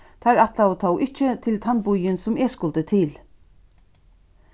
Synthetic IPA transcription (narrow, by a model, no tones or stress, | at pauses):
t̪ʰaɾaht̪laɔt̪ʰaːwʔɪht͡ʃɪt̪ʰɪlt̪ʰanbʊjɪnsʊmɛskʊlt̪ət̪ʰɪl